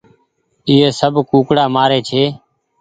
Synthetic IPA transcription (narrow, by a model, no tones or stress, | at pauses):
ɪːɦeːsəbʱkuːkɽaːmaːɾeːt͡ʃʰeː